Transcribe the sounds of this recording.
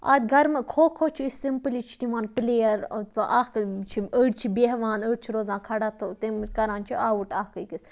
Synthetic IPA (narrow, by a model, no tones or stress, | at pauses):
a̰ːd̪ʲɡɐɾmɐkʰoːkʰoːt͡ʃʰiisimpɨlit͡ʃʰi̥t̪ʲimaːnpleːɐɾʔaːhkt͡ʃʰiəːɖt͡ʃʰibeɦʋaːnəːɽt͡ʃʰiɾoːzãːkʰɐɽat̪ʰot̪imkɐɾãːnt͡ʃʰiaːuʈaːhkəjkis